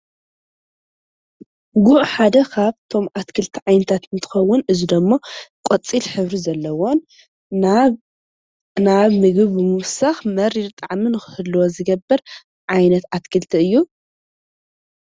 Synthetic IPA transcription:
ɡuʔħad̪ɐkʰaβt̪ʰo̞mat̪kʰɨlt̪ʰiʕajnɐt̪ʰat̪ɨnt̪ʰɨ̥xɐwːʊnɨzid̪ɐmːokʷʼot͡sʼilħɨβɾizɐlːɐwo̞n | naβmɨɡɨβːɨmɨwsaxmɐɾiɾt̪ʼaʕminɨxɨ̥hɨlːɨwozɨɡɐbːɨɾ | ʕajnɐt̪at̪kʰɨlt̪ʰiɨjːu

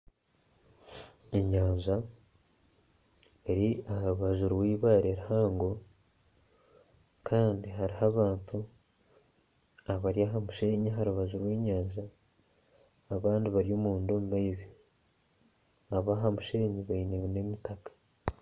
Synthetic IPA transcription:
eɲaːɲʒa | eɾiahaɾuβaʒuɾwiːβaːɾeɾihaːŋɡo̞ | kʰaːndiɦaɾihaβaːntʰu | aβaɾjaɦamuʃe̞ːɲiaɦaɾuβaʒuɾuweːɲaːɲʒa | βaːndiβaɾijo̞ːmuːndo̞ːmuβaizi | aβaɦamuʃe̞ɲiβainewenemitakḁ

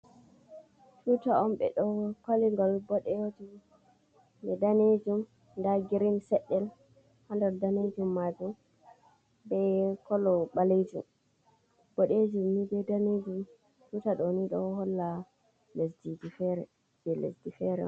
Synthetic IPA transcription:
tʰutaɔmɓɛ̰ɗɔkaliŋɡalbɔɗɛwoti | bɛdaned͡ʒum | ndaɡiɾinsɛɗːɛl | handaɾdaned͡ʒumːad͡ʒum | bɛkɔlɔɓalid͡ʒṵm | b̥ɔɗed͡ʒumnibɛdaned͡ʒum | tutaɗɔniɗɔhɔlːa | lesdidifɛɾɛ | b̥ɛlḛsdifɛɾɛ̰

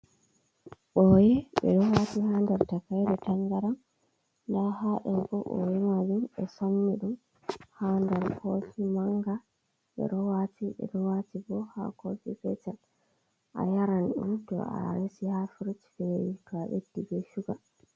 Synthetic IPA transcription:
ɓɔjɛɓɛ̰ɗɔwatihandɛɾtakajɾɛtaŋɡaɾam | ndaɾhaɗɛmbɔʔɔ̰jɛmad͡ʒumɛsonːiɗum | handɛɾhʰofimaŋɡa | ɓɛ̰ɾɔwatiɓɛ̰ɾɔwatibɔha̰kofifɛ̰t͡ʃɛl | ʔa̰jaɾanɗṵmtɔ̰a̰ɾesihafiɾut͡ʃfɛikaɓedːibɛʃuɡa

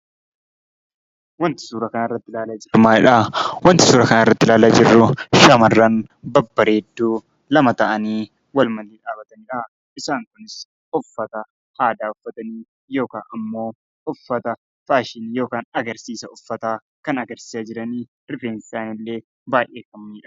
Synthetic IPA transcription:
wɐnt̪ɪ̥suːɾɐkɐnarːɐt̪ːɪlaːlɐd͡ʒɪmaːɪᶑawɐnt̪ɪsuːɾɐkɐnaːɪrːɐt̪ːɪlaːlad͡ʒɪrːʊʃɐmɐrːɐːnbɐbːɐɾeːd̪ːuː | lɐmɐt̪ɐʔɐniː | wɐlmɐlːiːᶑaːbɐt̪ɐnɪᶑɐ | ʔɪsaːŋkʊnɪs | ɔfːɐt̪ɐ | haːd̪aːʊfːɐt̪ɐniː | jo̞ːkaːnɐmːo̞ː | ɔfːɐt̪ɐ | faːʃɪnːjo̞ːkaːnɐɡɐɾsiːsɐɔfːɐt̪aː | kɐnɐɡɐɾsɪ̥sad͡ʒɪɾɐniː | ɾɪfeːnsaːnɪlːe̞ː | baːjʔeːfɐmɐnɪᶑɐ̥

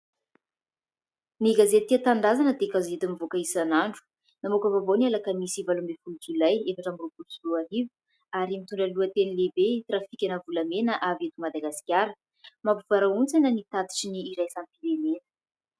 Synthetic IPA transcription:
niɡazet̪iat̪and̪azanəd̪ekazet̪amivokaisanaɳɖ͡ʐu̥ | namokəvabonialakəmisivalumbefulukilajefaʈ͡ʂamirupulusuaɦivu̥ | aɾimit̪uɳɖ͡ʐəluat̪enilebet̪rafikʲanəvulamenəʔavet̪umad̪aɡaskʲjaɾə | mapuv̥aɾaunt͡sanənit̪at̪i̥ʈ͡ʂiniːɾajsanpiɾenenə̥

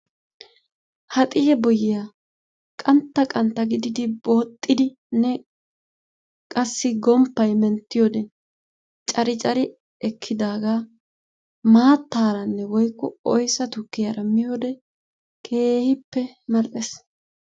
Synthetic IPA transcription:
hɐt̪ʼɪhɛbɔjɪjaː | kʼɐnt̪ːɐkʼɐnt̪ːɐɡɪd̪ɪd̪ɪboːt̪ʼːɪd̪ɪ | nːɛ | kʼɐsːɪɡɔmpːɐjmɛnt̪ːɪjɔd̪ɛn | t͡ʃʼɐɾɪt͡ʃʼɐɾɪ | ɛkʰːɪd̪aːɡaː | maːt̪ːaːɾɐnːɛwɔjkːɔɔjsɐt̪ʊkːɪjɐɾɐmɪjod̪ɛ | kʰe̞ːhɪpːɛmɐɾʔɛs

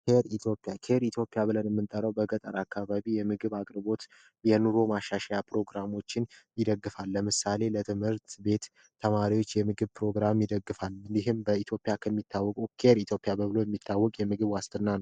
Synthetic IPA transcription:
keɾit̪ʰjo̞pʼːijakʰeɾit̪ʰjo̞pʼːjaβɨlənjɛmːɨnt̪ʼəɾəwbəɡət̪ʼəɾakːaβaβijɛmɨɡɨβakʼɾbo̞t̪ | jɛnuɾo̞maʃːaʃajapʰɾo̞ɡɾamo̞t͡ʃːɪnjɪd̪əɡːɨfalːəmɨsale̞lət̪ʰɨmhɨɾt̪be̞t̪ːʰ | əmaɾiwo̞t͡ʃːjɛmɨɡɨβpɾo̞ɡɾamjɪd̪əɡːɨfaljɪɦɨmbəit̪ʰjo̞pʼːjakʰəmːit̪ʰːawːɔkʼukʰeɾit̪ʰjopʼːijabəβɨlo̞jɛmːit̪ʰːawːɔkʼjɛmɨɡɨβwast̪ʰɨnːanəw

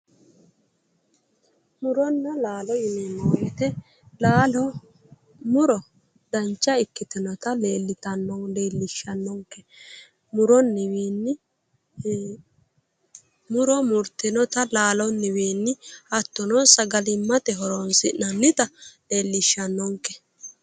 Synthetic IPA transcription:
mʊɾɔnːɐlaːlɔɪmɛnːɔwjɛt̪ɛ | laːlɔ | mʊɾɔ | d̪ɐnt͡ʃːɐɪkːɪt̪ɪnɔt̪ɐleːlːɪt̪ɐnːɔleːlːɪʃɐnːɔŋkːɛ | mʊɾɔnːɪweːnːɪ | mʊɾɔmʊɾt̪ɪnɔt̪ɐlaːlɔnːɪweːnːɪɐt̪ːɔnɔsɐɡɐlɪmːɐt̪ɛɦɔɾonsɪʔɐnːɪt̪ɐle̞ːlːɪʃːɐnːɔŋkɛ̥

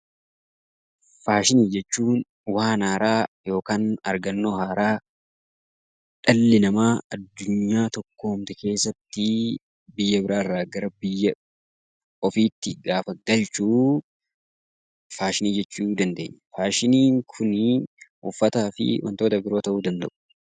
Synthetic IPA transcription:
faːʃɪniːd͡ʒɛt͡ʃːuːn | waːnhaːɾaːjo̞ːkaːnɐ̰ɾɡɐnːoːhaːɾaː | ᶑɐlːɪnɐmaːɐd̪ːʊɲːaːt̪ɔkːo̞ːmt̪ɛke̞ːsːɐt̪ːɪ | bɪjːɐbɪɾaːrːaːɡɐɾɐbɪjːɐ | ɔfiːt̪ːɪɡaːfɐɡɐlt͡ʃuː | faːʃɪniːd͡ʒɛt͡ʃːuːd̪ɐnd̪e̞̰ːɲːɐ̥faːʃɪniːŋkʰʊnɪʔʊfːɐt̪aːfɪ̰wʔɐ̰nt̪o̞ːt̪ɐbɪɾo̞ːt̪ɐʔuːd̪ɐnd̪ɐ̰ʔʊ̥

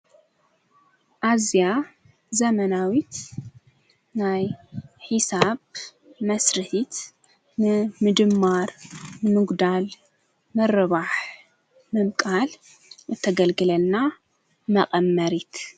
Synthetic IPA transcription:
ʔazja | zɐmɐnawit̪ | najħɨsaβ | mɐsɾɨħit̪ | nɨmɨd̪ɨmːaɾmɨnɨɡd̪al | mɨɾɨβaħ | mɨmkʼal | ɨt̪ʰːɐɡɐlɡɨlɐlna | mɐqʼɐmːɐɾit̪

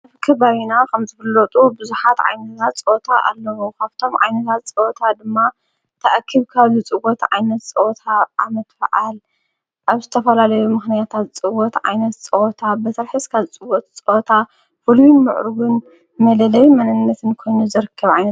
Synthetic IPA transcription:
aβkʰɐβaβinakʰɐmzɨfɨlːɐt̪ʼubɨzuħat̪ʕa̰jnɐt̪t̪ʰat̪̚t͡sʼot̪ʰaʔa̰lːɐwukʰaβt̪ʰo̞mʕa̰jnɐt̪ʰat̪̚t͡sʼɨʔot̪ʰad̪ɨmːa | t̪ʰɐʔakʰːɨβkʰaβzut͡sʼɨwɔt̪ʕa̰jnɐt̪̚t͡sʼɐt̪ʰaʔamɐt̪fɐʕal | ʔaβzɨt̪ʰɐfɐlalɐjumɨxnijat̪ʰat̪̚t͡sʼɨwɔt̪ʕa̰jnɐt̪t͡sʼɐwt̪ʰabɐt̪ʰɐɾħɨskʰaβt͡sʼɨwɔt̪t͡sʼot̪ʰa | fɨluimɨ̰ʕɾuwɨn | mɐlɐlɐjmɐnɨnːɐt̪ʰɨnkʰo̞jnuzɨɾɨkʰːɐβʕajnɐt̪

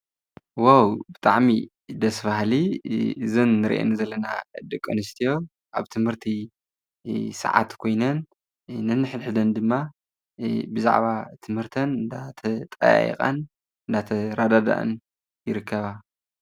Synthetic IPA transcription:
wawbɨt̪ʼaʕmi | d̪ɐsfahliɨzɨnːɨɾʔḛnizɐlːɐnad̪ɨkʼːɐnɨst̪ʰijo̞ | ʔaβt̪ʰɨmhɨɾt̪ʰi | sɨ̰ʕa̰t̪kʰo̞jnɐnː | ɨnːɨħɨlħɨd̪ɐnd̪ɨmːa | bɨza̰ʕβat̪ʰɨmhɨɾt̪ʰɐnɨnd̪at̪ʰɐt̪ʼɐ̰ja̰ʔḭxʼa̰n | ɨnd̪at̪ʰɐɾad̪ad̪a̰ʔɨ̰n | jɪɾɨkʰːɐβa

